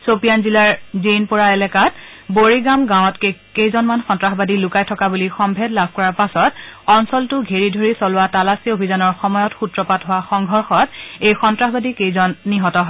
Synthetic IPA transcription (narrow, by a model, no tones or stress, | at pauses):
sopijanzilaɹzenpʊɹaɛlɛkat | boɹiɡamɡãw̃ɔtkekejzɔnmanxɔntɹaxɔbadilʊkajtʰɔkabulixɔmbʱɛdlab̚ʱkɔɹaɹpasɔtɔnsɔltʊɡʱeɹidʱoɹisɔlʊwatalasiobʱizanɔɹxɔmɔjɔtxutɹɔpatɦʊwaxɔŋɡʱɔɹxɔtejxɔntɹaxɔbadikejzɔnːiɦɔtɔɦɔ